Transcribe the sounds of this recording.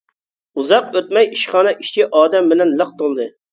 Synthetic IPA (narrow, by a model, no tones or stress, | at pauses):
uzɑq̚øt̪̚mɛjiʃχɑːnɛʔiʃt͡ʃʰiʔɑːd̪ɛmbɪlɛnləq̚t̪olˠd̪ɨ